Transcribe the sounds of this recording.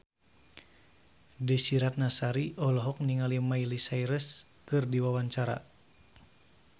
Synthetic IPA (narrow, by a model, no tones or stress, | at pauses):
dəsiɾat̪̚nasaɾiʔɔlɔɦɔk̚niŋalimailisaiɾəs | kɨrdiwawaɲt͡ʃaɾa̰